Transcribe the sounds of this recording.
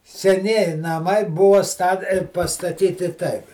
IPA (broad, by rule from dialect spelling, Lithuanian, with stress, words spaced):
sʲɛˈnʲiɛjɪ nɐˈmɐɪ ˈbʊʋɐ stɐ pɐstɐˈtʲiːtʲɪ ˈtɐɪp